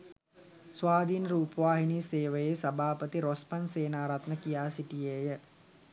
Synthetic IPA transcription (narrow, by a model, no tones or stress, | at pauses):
sʋaːd̪ʱiːnəɾuːpəʋaːɦiniːseːʋəjesabʱaːpət̪iɾospanseːnaːɾat̪nəkijaːsiʈijejə